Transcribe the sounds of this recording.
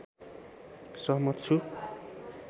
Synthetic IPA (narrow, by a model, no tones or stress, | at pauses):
sʌɦmʌt̪t͡sʰu